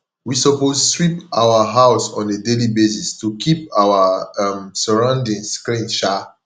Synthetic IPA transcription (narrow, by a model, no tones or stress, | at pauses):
wisɔposswipawaɦaʊsɔ̰̃nedelibesistukʰipawaamsəɹãʊ̃ndĩŋkɾĩnʃa